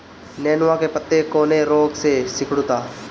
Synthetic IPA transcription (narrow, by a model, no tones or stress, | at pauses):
nɛːnʋãkepət̪ːekoːneɾoːɡsesɪkɽʊt̪aː